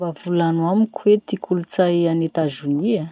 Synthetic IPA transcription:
vavulanamikʰwet̪ikʰulut͡sajanet̪azunia

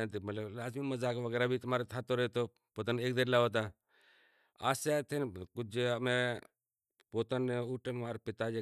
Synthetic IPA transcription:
ant̪imət̪ləlaːzmiməzaːkʋəɡɛːɾaːbʱit̪ʊmaːɾet̪ʰaːt̪oɾəɦet̪o | pot̪əneːk̚d̪eɾlaːʋot̪̬a | aːsat̪ʰenkʊd͡ʒme | poːt̪əneuʈəmaːɾpɪt̪ad͡ʒe

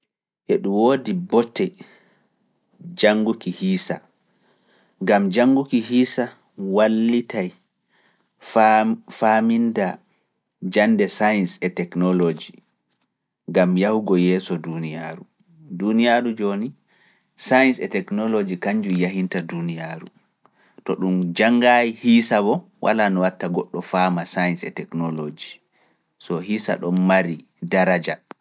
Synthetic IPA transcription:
ʔɛɗumwoːdibɔtʰːɛ | d͡ʒaŋɡukihiːsa | ŋɡamd͡ʒaŋɡukiɦiːsa | walːitaj | faminda | d͡ʒandɛsajnsɛtɛknɔlod͡ʒi | ŋɡamjahuɡɔjɛːsɔdunijaːɾu | dunijaɾud͡ʒoni | sajnsɛtɛknɔlod͡ʒikaɲd͡ʒujaɦintadunijaɾṵ | tɔɗumd͡ʒaŋːɡajihisabɔ | wʔa̰lanɔwatːaɡɔɗːɔfamasajnsɛ̰tɛknɔlod͡ʒi | sɔɦisa̰ɗɔnmaɾi | daɾad͡ʒa

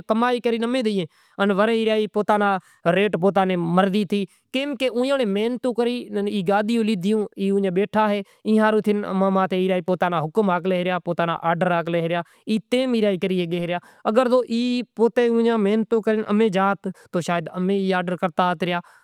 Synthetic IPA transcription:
kəmaːiːkəɾiːnəmẽːd̪ɪːẽː | ənʋəɾeːiːɾjaːiːpoːt̪aːnãː | ɾeːʈpoːt̪̬aːnẽːməɾd̪iːt̪ʰiː | keːmkeːʔũːjãːneːmeːnt̪ũːkəɾiːiːɡaːd̪ɪjũːliːd̪ɪjõːiːũːjãːɓeːʈʰaːɦeː | ɪ̃ːɦãːɾũːt̪ʰɪnə̰mamãːt̪ʰeːiːɾaːiːpoːt̪aːnaːɦʊkmaːkleːɾjaːpoːt̪aːna̰ːʔaːɖəɾaːkleːɦɾɪjaː | iːt̪eːmiːɾjaːiːkəɾiːeːɡeːɾɪjaː | əɡəɾzoːʔiːpoːt̪eːũːjãːmeːnt̪õːkəɾɪnʔə̰mẽːd͡ʒaːt̪ːoːʃaːjəd̪əmẽːiːaːɖəɾkəɾt̪aːt̪ɾɪjaː

